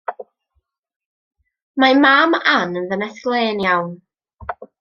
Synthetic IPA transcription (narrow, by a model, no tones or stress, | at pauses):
mamaːmanənðənɛθklˠeːnjawn